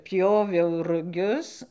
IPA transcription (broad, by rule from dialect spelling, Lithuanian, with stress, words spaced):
ˈpʲjoːʋʲɛʊ rʊˈɡʲʊs